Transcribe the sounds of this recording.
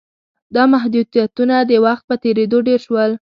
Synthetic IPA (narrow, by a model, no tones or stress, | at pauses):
d̪ɑmaɦd̪ud̪ijat̪unad̪əwaxt̪̚pət̪eɾed̪oɖeɾʃwəl